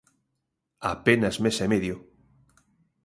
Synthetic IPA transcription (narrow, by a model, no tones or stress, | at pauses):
a̰penazmesemeðjo